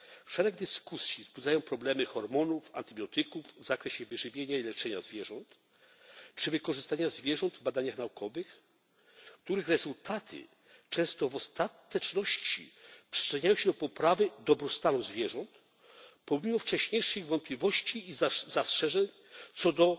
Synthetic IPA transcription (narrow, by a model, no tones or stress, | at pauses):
fʂɛɾɛɡ̚d̪ɘskusʲjizbud̪zajɔ̃w̃pɾɔblɛmɘxɔɾmɔnuva̰nt̪ɘbʲjɔt̪ɘkuvːzakɾɛɕɛvɘʐɘvʲjeɲailɛt͡ʂɛɲazvʲjɛʐɔnt̪ | t͡ʂɘvɘkɔʐɘst̪aɲazvʲjɛʐɔnd̪vbad̪aɲaxnaukʰɔvɘx | kt̪uɾɘxɾɛzult̪ʰat̪ʰɘ̰ | t͡ʂɛ̃w̃st̪ɔvɔst̪at̪ɛt͡ʂnɔɕt͡ɕḭpʂɘ̥t͡ʂɛɲajɔ̃ɕɛd̪ɔpɔpɾavɘd̪ɔbɾɔst̪anuzvʲjɛʐɔnt̪ | pɔmʲimɔft͡ʂɛɕɲejʂɨɣvɔnt̪̚plʲivɔɕt͡ɕiːzzastʂɛʐɛɲ | t̪sɔd̪ɔ